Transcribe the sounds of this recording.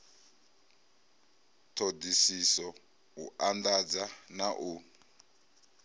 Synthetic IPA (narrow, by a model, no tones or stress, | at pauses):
tʰodisisɔ | uʔandad͡zanaʔu